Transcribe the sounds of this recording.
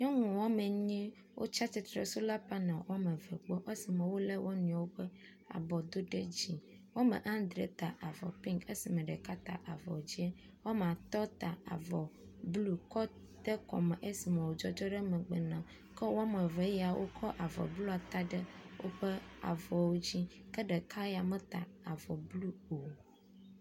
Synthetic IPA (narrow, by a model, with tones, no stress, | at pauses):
ɲɔ̃˦ŋũ˨wɔ˦mẽ˨ɲĩ˦ | wʔo̰˦t͡ʃa˦t͡ʃi˨t̪ɾe˨su˦la˦pɛ˦nã˨wʔɔ˦mɛ˨vɛ˨k͡pɔ˦ʔe˦si˨mɛ̃˨wo˦le˦wʔo˦nũ˨a˨wo˦ɸɛ˦ | a̰˨bɔ˨d̪o˦ɖe˦d͡ʑi˨ | wa˦mḛ˨ʔã˦nd̪ɾe˨t̪a˨ʔa˨vɔ̰˨pĩ˦ŋke˦si˨mɛ̃˨ɖɛ˨ka˦t̪a̰˨ʔa˨vɔ̰˨d͡ʑi˦e˦ | wa˦m˨a˨t̪ɔ˦t̪a˨a̰˨vɔ˨ | blu˦kɔ˦ | t̪ɛ˦kɔ̰˨mɛ˨ʔe˦si˨mɛ̃˨wo˨d͡ʒɔ˦d͡ʒɔ˦ɖɛ˦mɛ̃˨ɡ͡bɛ˨nã˨ | kɛ˦wmɛ˨vɛ˨˦jɛ˦a˨wʔo̰˦kʰɔ˦ʔa˨vɔ̰˨blu˦a˨t̪a˦ɖə˦wʔo̰˦ɸə˦a̰˨vɔ˨wo˦d͡ʑi˦kə˦ɖɛ˨kʰa˦ja˨mɛ̃˦t̪a̰˨a˨vɔ˨blu˦o˨